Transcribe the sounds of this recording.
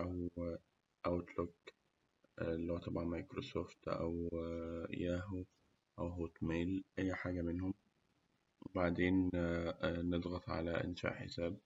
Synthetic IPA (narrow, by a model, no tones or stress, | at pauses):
ʔæw | ʔæwt̪lok | lːihoːæt̪ˤɑbʕɑnmɑjkɾosoːft̪ʔæ̰w | jæːɦo | ʔæwɦoːt̪meːlʔæjːħaːɡæmenhom | baʕd̪eːn | ned̪ˤɣɑt̪ˤʕa̰læʔɪ̰nʃa̰ːʔħḛsæːb̚